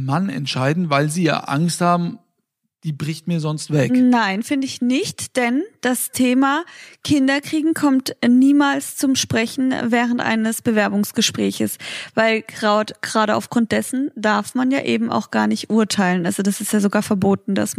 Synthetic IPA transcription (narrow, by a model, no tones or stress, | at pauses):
manɛ̰ntʃaɪdn̩vaɪlziːja̰ːʔa̰ŋsthaːbm̩ | d̥iːbʁɪçt̚miːɐzɔnstv̥ɛknaɪnfɪndəɪçnɪçtd̥ɛnd̥astʰeːmakʰɪndɐkʁ̥iːɡŋ̩kʰɔmtniːmaːlst͡sʊmʃpʁ̥ɛçn̩vɛːʁ̞əntʔa̰ɪnəsb̥əvɛɐbʊŋsɡ̥əʃpʁ̥ɛːçəsvaɪlɡ̥ʁaːdɡ̥əʁaːɾəa̰ʊfɡ̥ʁʊnt̚d̥ɛsn̩daɐfmanja̰ːʔeːbm̩ʔa̰ʊxɡ̥aːɐnɪçtʔuɐtʰaɪlənʔalzodasɪstjaːzoɡaːɐfɛɐboːtn̩da̰s